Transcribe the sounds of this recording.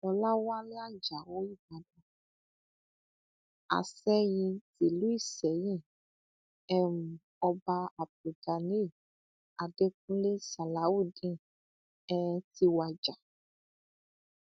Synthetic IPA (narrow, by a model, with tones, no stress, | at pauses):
ɔ˧la˦wa˦nĩ˦a˦˨d͡ʒa˨wo˨˦i˦˨ba˨dɔ˨ | a̰˨sɛ˦ji˧ti˨lu˨˦i˦˨sɛ˨˦jĩ˦˨ | ɛ˦mũ˨ | ɔ˧ba˧a˨p̚u˨da˨ni˦˨ | a˨de˦k̚ũ˦le˦sa˨la˨˦wu˦dĩ˦˨ | ɛ˧ti˧wa˨d͡ʒa˨